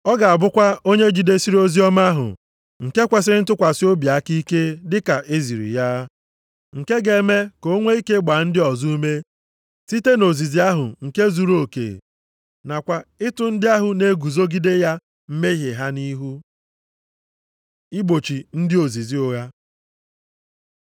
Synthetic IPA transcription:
ɔ˦ɡa˨a˨bʊ˦kʷa˦o˦ɲe˦d͡ʒi˦de˦si˦ɾo˦zi˦ɔ˦ma˦ɦʊ̰˨ | ŋ̩˨ke˦kʷa˨s̬ɪ˦ɾɪ˦n̩˦tʊ˦kʷa˨sɪ˦o˦bja˨a˦ki˦ke˦dɪ˦ka˨ʔe˦zi˨ɾḭ˨ja˦ | ŋ̩˨ke˦ɡe˨˦me˦ko˦ŋʷe˦i˦ke˦ɡ͡ba˨n̩˦dɪ˦ɔ˨zu˦u˦me˦ | ti˦te˦no˨zi˨zi˦a˦ɦʊ̰˨ŋ̩˨ke˦zu˨ɾo˦˨kḛ˨ | na˨kʷa˨ɪ˦tʊ˨n̩˦dɪ˦a˦ɦʊ˨ne˦ɡu˨zo˦ɡi˦de˦ja˦ | m̩˦me˦ɦe˨ɦa˦ni˦ɦu˦ | i˦ɡ͡bo˨t͡ʃi˨n̩˦dɪ˦o˨zi˨zi˦o˦ɣa˦

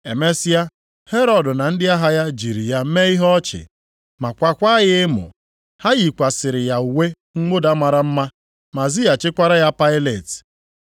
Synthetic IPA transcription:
e˨me˦sɪ˦ja˦ | he˦ɾɔ˨dʊ˨na˨n̩˦dɪ˦a˦ɦa˦ja˦d͡ʒi˨ɾi˨ja˦me˦i˦ɦɔ˦t͡ʃɪ̰˨ | ma˨kʷa˨kʷa˦ɣɪ˦mʊ̰˨ | ha˦ɣi˨kʷa˨sɪ˨ɾɪ˨ja˨u˨we˦ | ŋ̩˦ɡ͡bo˦da˦ma˨ɾa˨m̩˦ma˦ | ma˨zɪ˦ja˨t͡ʃɪ˦kʷa˦ɾa˦ja˦pa˦ɪ˦le˨t

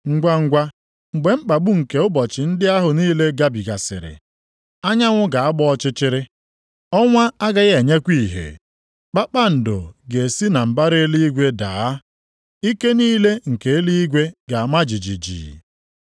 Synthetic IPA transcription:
ŋ̩˦ɡʷa˦ŋ̩˦ɡʷa˦ | ŋ͡m̩˨ɡ͡be˨ŋ͡m̩˦k͡pa˨ɡ͡bu˦ŋ̩˨ke˨ʊ˦bɔ˨t͡ʃɪ˨n̩˦dɪ˦a˦ɦʊ˨niː˦le˦ɡa˦bi˨ɡa˨sɪ̰˨ɾɪ̰˨ | a˦ɲa˦ŋʷʊ˦ɡa˨a˦ɡ͡bɔ˦ɔ˦t͡ʃɪ˦t͡ʃɪ˦ɾɪ˦ | ɔ˦ŋʷa˦a˦ɡa˦ɣe˨ɲe˦kʷi˦˨ɦḛ˨ | k͡pa˦k͡pa˦n̩˨do̰˨ɡe˨si˦na˨m̩˨ba˦ɾe˦li˦i˦ɡʷe˦da̰ː˨a˦ | i˦ke˦niː˦le˦ŋ̩˨ke˨e˦li˦i˦ɡʷe˦ɡa˨a˨ma˦d͡ʒi˨d͡ʒi˨d͡ʒḭː˨

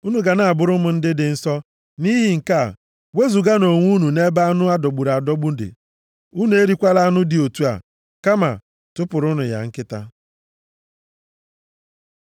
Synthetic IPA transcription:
u˦nu˨ɡa˨na˨a˨bʊ˨ɾʊ˦mʊ˨n̩˦dɪ˦dɪ˨n̩˦sɔ˦ | ni˦ɦɪ˨ŋ̩˨ka˦˨ | we˦zu˨ɡa˦no˨ŋʷu˦nu˨ne˦ba˦a˦nʊ˦a˦do˨ɡ͡bu˨ɾa˨a˨dɔ˦ɡ͡bu˦dɪ̰˨ | u˦nu˦e˦ɾi˦kʷa˦la˦a˦nʊ˦dɪ˨o˨tu˦a̰˨ | ka˦ma̰˨ | tʊ˦pʊ˨ɾʊ˦nʊ˨ja̰˨ŋ̩˦kɪ˦ta̰˦

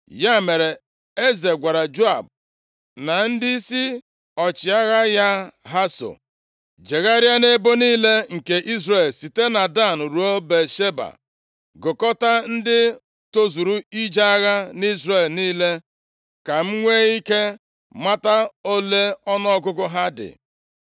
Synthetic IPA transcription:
ja˦me˨ɾe˨ | e˦ze˨ɡʷa˨ɾa˨d͡ʒo˦a̰˨b̚ | na˨n̩˦di˦i˦si˦ | ɔ˨t͡ʃɪ˨a˦ɣa˦ja˦ɦa˦so̰˨ | d͡ʒe˨ɣa˦ɾja˦ne˦bo˦niː˦le˦ŋ̩˨ke˨ʔi˦zɾe˨lsi˨te˦na˨da˦˨n˨ɾu˨o˦be˨ʃe˦ba̰˨ | ɡʊ˨kɔ˦ta˦n̩˦dɪ˦ | to˦zu˨ɾu˦i˦d͡ʒa˦a˦ɣa˦ni˦zɾe˨lniː˦le˦ | ka˨m̩˦ŋʷe˦i˦ke˦ | ma˦ta˦o˦le˦ɔ˦nɔ˦ɔ˦ɡʊ˦ɡʊ˦ɦa˦dɪ̰˨

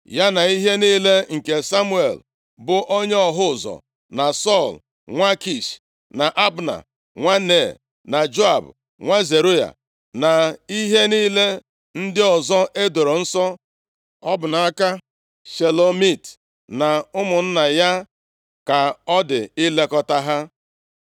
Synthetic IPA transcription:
ja˦na˨i˦ɦe˦niː˦le˦ŋ̩˨ke˨sa˦mu˦ḛ˨l | bʊ˨ʔo˦ɲe˦ɔ˨ɦʊ˦˨zɔ̰˨ | na˨sɔ˦˨l | ŋʷa˦ki˦˨ʃ | na˨ʔa˦bna̰˨ | ŋʷa˦ne˦˨ | na˨d͡ʒo˦a̰˨b | ŋʷa˦ze˨ɾu˦ja̰˨ | na˨i˦ɦe˦niː˦le˦ | n̩˦dɪ˦ɔ˨zɔ˦ʔe˦do˨ɾo˨n̩˦sɔ˦ | ɔ˦bʊ˨na˨a˦ka˦ | ʃe˨lo˨mi˦˨t | na˨ʊ˦mʊ˨n̩˦na˨ja˦ | ka˨ɔ˦dɪ˨i˦le˦kɔ˦ta˦ɦa˦

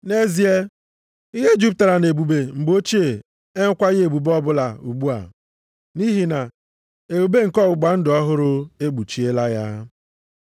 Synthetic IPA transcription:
ne˦zi˨e˦ | i˦ɦe˦d͡ʒu˦p̚ta˨ɾa˨ne˨bu˨be˨ŋ͡m̩˨ɡ͡bo˦t͡ʃi˦e˨ | e˦ŋ̩˦kʷa˦ɣe˨bu˨bɔ˦bʊ˦la˨u˨ɡ͡bu˦a̰˨ | ni˦ɦi˨na˨ | e˨bu˨be˦ŋ̩˨kɔ˦ʊ˨ɡ͡ba˨n̩˦dɔ˦ɦʊ˦ɾʊ˦e˦ɡ͡bu˨t͡ʃi˦e˦la˦ja˦

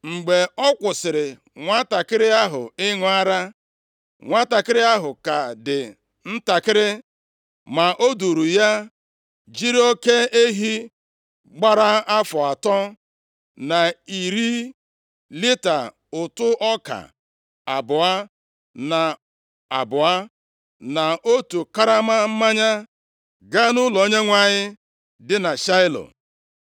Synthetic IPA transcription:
ŋ͡m̩˨ɡ͡be˨ɔ˦kʷʊ˨sɪ˨ɾɪ˨ | ŋʷa˦ta˨kɪ˦ɾɪ˦a˦ɦʊ˨ɪ˦ŋʊ˨a˦ɾa˦ | ŋʷa˦ta˨kɪ˦ɾɪ˦a˦ɦʊ˨ka˨dɪ˨ | n̩˦ta˨kɪ˦ɾɪ˦ | ma˨ʔo˦du˨ɾu˨ja˦ | d͡ʒi˦ɾo˦ke˦e˦ɦi˦ | ɡ͡ba˦ɾa˦a˦fɔ˨a˨tɔ˦ | na˨i˨ɾi˦ | li˦ta̰˨ | ʊ˨tʊ˦ʔɔ˦ka̰˨ | a˨bʊ˨a˦ | na˨ | a˨bʊ˨a˦ | na˨o˦tu˨ka˦ɾa˦ma˦m̩˦ma˦ɲa˦ | ɡa˦nʊ˦lɔ˨o˦ɲe˦ŋʷa˨ɲɪ˦ | dɪ˦na˨ʃa˦ɪ˦lɔ̰˨

